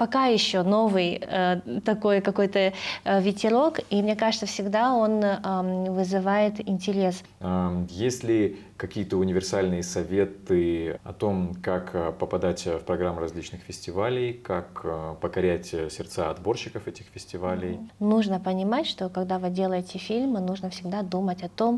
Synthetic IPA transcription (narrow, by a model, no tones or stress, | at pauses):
pɐkajɪɕːono̞vɨj | t̪ɐko̞jkɐko̞jt̪əvʲɪtʲɪɾo̞kimnʲe̞kaʐɨt̪səfsʲɪɡd̪aon | vɨzɨvajɪt̪ɪnʲtʲɪɾʲe̞s | jesʲlʲɪ | kɐkʲijət̪əʊnʲɪvʲɪrsalʲnɨjəsɐvʲe̞t̪ɨɐ̰t̪o̞mkakːpəpɐd̪atʲfpɾɐɡɾamːɾɐzʲlʲit͡ɕnɨxfʲɪsʲtʲɪvalʲɪjkakpəkɐɾʲætʲsʲɪrt̪saɐd̪bo̞rɕːɪkəfɛtʲɪxfʲɪsʲtʲɪvalʲɪjnuʐnəpənʲɪmatʲʂt̪o̞kɐɡd̪avɨdʲe̞lˠəjɪtʲɪfʲilʲmɨnuʐnəfsʲɪɡd̪ad̪umətʲɐt̪o̞m